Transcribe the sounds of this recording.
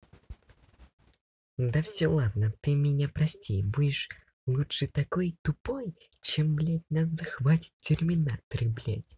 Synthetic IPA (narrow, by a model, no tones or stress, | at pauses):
d̪ɐfsʲɔlˠad̪nət̪ɨmʲɪnʲapɾɐsʲtʲejbudʲɪʂ | lˠutʂɨt̪akɔjt̪ʊpɔj | t͡ɕɛmblʲæt̚ʲnazɐxvatʲɪ̥tʲtʲːɪrmʲɪnat̪ɾɨblʲa̰tʲ